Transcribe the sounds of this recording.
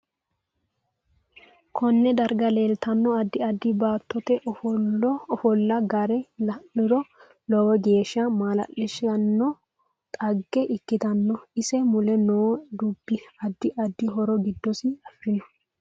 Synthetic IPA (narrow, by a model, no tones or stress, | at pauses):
kʰɔnːɛd̪ɐɾɡɐle̞ːlt̪ɐnːɔɐd̪ːɪɐd̪ːɪbaːt̪ːɔt̪ɛʔ | ɔfɔlːɐɡɐɾɛlɐʔʊɾɔ | lɔwɔɡe̞ːʃɐmaːlɐ̰ʔɪʃɐnːɔ | t̪ʼɐɡːɛʔɪkːɪt̪ɐnːɔɪsɛmʊlɛnoːd̪ʊbːɪɐd̪ːɪʔɐd̪ːɪɦɔɾɔɡɪd̪ːɔsɪɐfːɪnɔ